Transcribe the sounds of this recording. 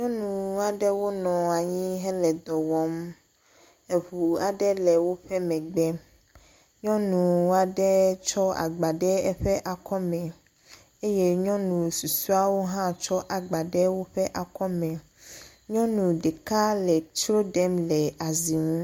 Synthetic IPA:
ɲɔ̃˦nũ˨a˨ɖɛ˦wo˦nɔ̃˨a˨ɲĩ˦ɦɛ˦lɛ˨d̪ɔ˨wɔ˨m | e˨βu˨a˨ɖɛ˦lɛ˨wo˦ɸɛ˦mɛ̃˨ɡ͡bɛ˦ | ɲɔ̃˦nũ˨wa˨ɖɛ˦t͡ʃɔ˦a̰˨ɡ͡ba˨ɖɛ˦ɛ˦ɸɛ˦ʔa˨kɔ˦mɛ̃˨ | e˦je˦ɲɔ̃˦nũ˨su˨su˦a˦wo˦ɦã˦t͡ʃɔ˦ʔa˨ɡ͡ba˨ɖɛ˦wo˦ɸɛ˦ʔa˨kɔ˦mɛ̃˨ | ɲɔ̃˦nũ˨ɖe˨ka˦lɛ˨t͡ʃɾo˦ɖɛ˦mlɛ˨a˨zi˨ŋũ˦

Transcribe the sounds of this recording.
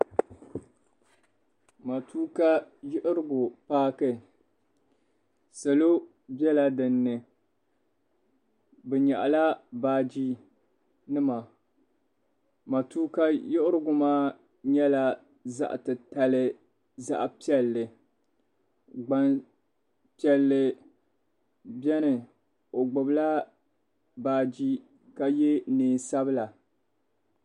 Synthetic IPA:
ma˨tʰuː˦ka˦jʊ˦ʔɪ˦ɾɨ˦ɡʊ˨paː˦kɨ˦ | sa˨lo˦ | bjɛ˦la˦dɨ˨nːɨ˨ | bɨ˨ɲa̰˨ʔla˦baː˦d͡ʒi˦ | nɨ˦ma˨ | ma˨tuː˦ka˦jo˦ʔʊ˦ɾɨ˦ɡʊ˦maː˦ | ɲɛ˦la˦ | za̰˦ʔtɨ˨ta˨lɨ˦ | za̰˦ʔpi˦ɛ˨lːɨ˨ | ɡ͡ba˨n | pi˦ɛ˨lːɨ˨ | bɛ˦nɨ˨ | o˨ɡ͡bʊ˨bla˦ | baː˨d͡ʒi˦ | ka˦je˦neː˨sa˦bɨ˦la˨

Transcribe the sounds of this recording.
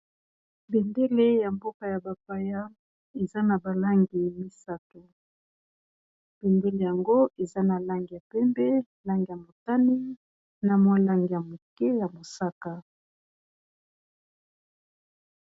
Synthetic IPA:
be˨nde˦le˦ja˨mbo˦ka˨ja˨ba˨pa˦ja˦ | e˨za˦na˨ba˨la˦ŋɡi˨mi˦sa˦to˨ | b̥ɛ˨mbɛ˦le˦˨ja˨ŋɡo˦e˨za˦na˨la˦ŋɡi˨ja˨pɛ˦mbɛ˦ | la˦ŋɡi˨ja˨mo˨ta˦ni˦ | na˨mo˦la˦ŋɡi˨ja˨mo˨kɛ˦ja˨mo˨sa˦ka˨

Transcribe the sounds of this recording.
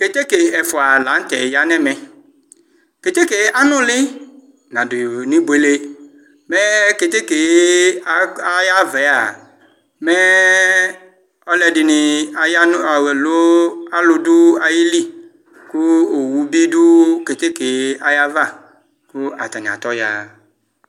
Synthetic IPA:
ke˨t̪e˦ke˨ɛ˨fʊ˨a˨la˨˦n̩˦t̪ɛ˨ja˨nɛ˦mɛ˨ | ke˨t̪e˦ke˨a˦nʊ̃˦lɪ˦ | nã˨dʊ˨nĩ˦bwe˨le˦ | mɛ˦ke˨t̪e˦ke˨˦ | a˦ja˦vɛ˨˦a˨ | mɛ˦ | ɔ˦lɛ˨dɪ˨nɪ˨a˨jn˦˨lo˦a˦lʊ˨dʊ˦a˨ji˦li˦ | kʊ˦o˨wu˨bi˦dʊ˦ke˨t̪e˦ke˨a˨ja˦va˦˨ | kʊ˦a̰˨t̪a˨ɲã̰˨t̪ɔ˦ja̰˦˨

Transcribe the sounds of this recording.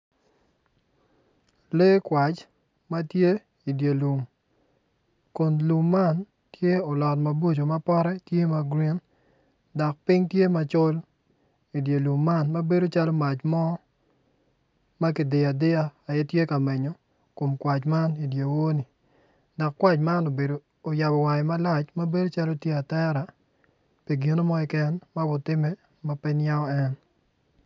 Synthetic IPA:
le˦kwa˨t͡ʃ | ma˦tje˦ | i˨dje˨lu˨m | ko˨nlu˨mːa˦n | tje˦ɔ˨lɔ˨tma˨bo˦t͡ʃo˨ma˦pɔ˦ɾɛ˦tje˦ma˨ɡɾi˦n | dɔ˨k̚pi˦ŋtje˦ma˨t͡ʃo˦l | i˨dje˨lu˨mːa˦nma˦be˦do˦t͡ʃa˦lo˦ma˨t͡ʃmɔ˦ | ma˦kɪ˨dɪ˨a˨dɪ˦aː˦˨jɛ˦tje˦ka˨mɛ˨ɲo˨ | ko˨mkwa˨t͡ʃma˦ni˨dje˨wo˦ni˨ | dɔ˨kːwa˦˨t͡ʃma˦no˨be˨ | o˨ja˨bɔ˨wa˨ɪ˨ma˦la˦˨t͡ʃma˦be˦do˦t͡ʃa˦lo˦tje˦a˨tɛ˦ɾa˨ | pi˨ɡi˨no˦mɔ˦ɪ˨kɛ˦nma˦bʊ˦tɪ˦mɛ˦ | ma˦pɛ˦ɲja˦ɔ˦ɛ˦n

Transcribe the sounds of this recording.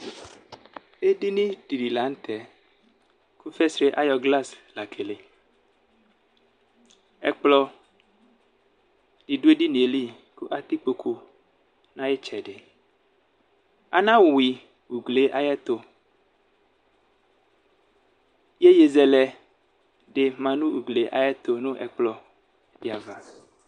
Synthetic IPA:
e˦di˦nĩ˦d̥i˨di˨la˨˦n̩˦t̪ʰɛ˨ | ku˦fɛ˦sɾe˦ʔa˦jɔ˨ɡla˦sla˨kʰe˨le˨ | ɛ̰˦k͡plɔ˦ | di˨du˦e˦di˦nĩ˨e˨li˦ | ku˦ʔa˦t̪i˦k͡po˨kʰo˨ | nã˦je˦t͡ʃɛ˨ɖe˨ | a̰˨nã˦wwi˨ | wu˨ɡle˨ʔa˨jɛ˦t̪o˨ | je˦je˨zɛ˨lɛ˨ | ɖe˨mã˨nũ˦wu˨ɡle˨ʔa̰˨jɛ˦t̪o˨nũ˦ʔɛ˨k͡plɔ˨ | di˨a˨va˦

